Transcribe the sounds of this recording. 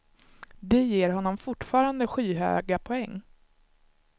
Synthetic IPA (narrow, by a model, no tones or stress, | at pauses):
d̪ɛjeːɾɦɔnːɔmfʊʈfɑːɾand̪əɧiːɦø̰ːɡapʰɔɛŋː